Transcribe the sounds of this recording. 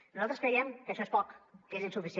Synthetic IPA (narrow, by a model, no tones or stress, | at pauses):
nuzalˠt̪ɾəskɾɛjɛmkəʃɔespɔkkezinsufisi